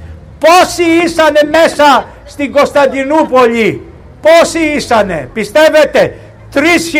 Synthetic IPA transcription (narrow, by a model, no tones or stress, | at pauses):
posiisanɛmɛsa | st̪iɡost̪ad̪inupoʎi | posiisanɛ̰pist̪ɛvɛt̪ɛ | t̪ɾisx